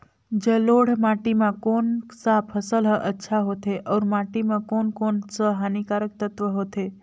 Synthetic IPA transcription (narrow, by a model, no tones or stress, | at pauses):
d͡ʒəloɽ̤maʈimãkonsapʰəsəlɦəʔətːʃʰaɦot̪ʰeʔɔɾmaʈimãkonkonsəɦanikaɾək̚t̪ət̪ʋəɦot̪ʰe